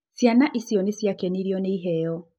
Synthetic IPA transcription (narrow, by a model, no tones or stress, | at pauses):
sjanaʔisjɔnisjakɛniɾjɔneiɦɛjɔ